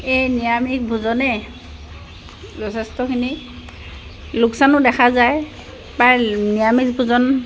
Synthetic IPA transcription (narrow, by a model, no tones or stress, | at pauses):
ejnijamik̚bʱuzɔnɛ | zɔtʰɛstɔkʰini | lʊksanʊdɛxʰazaj | pajnijamik̚bʱuzɔn